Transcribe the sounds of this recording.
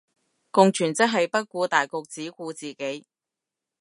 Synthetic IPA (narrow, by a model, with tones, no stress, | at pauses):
kʊ˨˧ŋt͡ʃʰyː˨˩nt͡sɐ˥k̚ɦɐ˨jpɐ˥t̚kʷuː˧t̪aː˨jkʊ˨˧k̚t͡siː˨˥kuː˧t͡siː˨ke˨˥j